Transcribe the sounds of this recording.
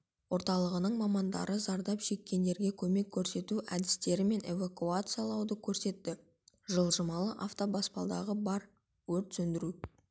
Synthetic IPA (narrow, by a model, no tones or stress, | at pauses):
wo̞ɾt̪ɑlˠəʁənəɴmɑmɑnd̪ɑ̰ɾʔəzɑɾd̪ɑpʃe̞kʲːe̞nd̪e̞ɾɡʲe̞kʲʰɵme̞kʲʰːɵɾse̞t̪uʔæd̪ɪst̪e̞ɾɪme̞nʔe̞vakuat̪sɨjalˠɑwd̪əkʲʰɵɾse̞t̪ːɪ | ʒəlˠʒəmɑlˠəʔaft̪obɑspɑ̰lˠd̪ɑ̰ʁəbɑɾ | wɵɾt̪sɵnd̪ɪɾu